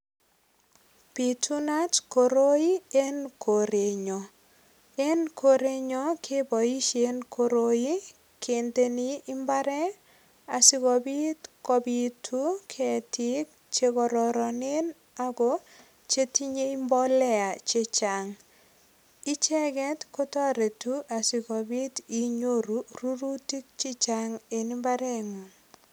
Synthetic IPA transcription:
pi˨tu˦na˦tko˨ɾo˦i˦e˦nko˨ɾe˨ɲo˨ | e˦nko˦ɾe˦ɲɔ˦kʰe˦bɔ˨i˦ʃe˦nkʰo˨ɾo˦i˦ | kʰe˨nd̪e˦niː˦mba˦ɾɛ˦ | a˨si˦ɡɔ˨bi˦tkɔ˨bi˨tʰu˦kʰɛ˨ti˦k̚ | t͡ʃe˦kɔ˨ɾɔɾɔ˨ne˦n | a˦ɡɔ˦ | t͡ʃe˦ti˦ɲe˦i˦mbɔ˦lɛ˦a˨t͡ʃe˦t͡ʃa˨ŋ | i˦t͡ʃɛ˦ɡɛ˦tko˦tɔ˦ɾe˨tu˦ʔa˨si˨kɔ˨bi˦ti˦ɲo˦ɾu˦ru˦ɾu˦ti˦k̚t͡ʃi˦t͡ʃa˦ŋe˨ni˦mba˦ɾɛ˦ŋɔ˨

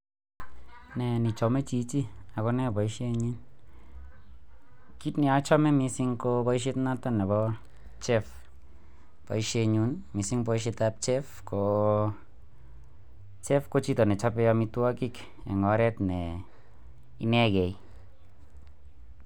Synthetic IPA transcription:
nɛ˨ni˨t͡ʃɔ˨mɛ˦t͡ʃi˨˦t͡ʃi˦a˨kɔ˧˦nɛ˦˨bɔ˨i˦ʃe˧ɲi˦n | ki˦tni˨a˨˦t͡ʃɔ˦mɛ˦mi˧si˧ŋko˧bɔ˧i˦ʃ̬i˦t̪na˦t̪a˦nɛ˨bɔ˦ | t͡ʃɛ˦f | pɔ̰˨i˧ʃe˧ɲu˧˦nmi˨si˦ŋpɔ˧i˦ʃ̬i˧t̪a˧p̚t͡ʃɛ˦fko˨ | t͡ʃɛ˦fko˦t͡ʃi˦tɔ˨nɛ˨t͡ʃa˦pɛ˧ɔ˧mi˧tu˦a˦ki˦k | ɛ̰˨ŋɔ˨˦ɾɛ˦t̪nɛ˨ | i˧˦nɛ˦ɡɛ˨j

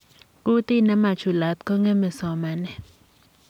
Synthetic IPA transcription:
ku˦t̪ɪ˦na˦ma˨t͡ʃu˨la˨t̪̚kɔ˦ŋɛ˦mɛ˨sɔ˨ma˨nɛ˨

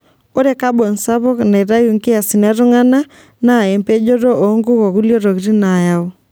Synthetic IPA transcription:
o˦ɾe˦ka˦bɔ˨nsa˦βɔ˦kna˨ɾa˦ju˨ŋkɪ˦a˨si˨na˦ɾu˦ŋa˦na˦ | na˦˨ɛ˨mpe˦d͡ʒɔ˦ɾɔ˦ʔo˨˦ŋɡu˦ɣɔ˨ɣu˦ljɔ˦ɾo˨ɣi˨ɾi˦na˨ja˦ɔ˦

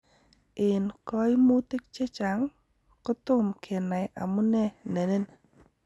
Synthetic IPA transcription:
ʔe˨nkɔ˧˦jmu˧˦t̪i˦k̚t͡ɕɛ˦˧t͡ʃa˨˦ŋ | kɔ˧t̪o˦˧˨mkʰɛ˨˧˨nːa˨jʔa̰˨mu˦nɛ˧nɛ˨ne˧˨n

